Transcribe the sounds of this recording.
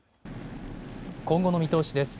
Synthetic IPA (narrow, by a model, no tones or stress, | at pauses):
kõ̞ŋɡo̞no̞mʲit̪o̞ːɕid̪e̞sɨ̥